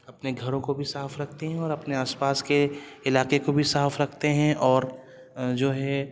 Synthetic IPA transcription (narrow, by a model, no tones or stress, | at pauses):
ɐpneɡʱɐɾõkobʱisaːfɾɐk̚ʰt̪eɦɛ̃ɔːɾɐpneaːspaːskeɪlaːkekobʱisaːfɾɐkʰt̪eɦɛ̃ʔɔːɾ | d͡ʒoːɦɛ